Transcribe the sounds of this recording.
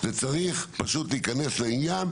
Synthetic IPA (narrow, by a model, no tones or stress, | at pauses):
zet͡saʁiχpaʃutliːkane̞sleinjan